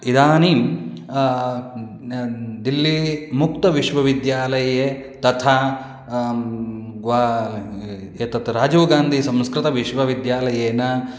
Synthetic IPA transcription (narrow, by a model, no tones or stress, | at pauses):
id̪aːniːm | d̪ilːimukt̪ɐʋiʃʋɐʋid̪jaːlɐje | t̪ɐt̪ʰaː | ɡʋa | et̪ɐt̪ɾaːd͡ʒɐːɡaːnd̪ʱisɐ̃mskɾɪt̪ɐʋiʃʋɐʋid̪jaːlɐjeːnɐ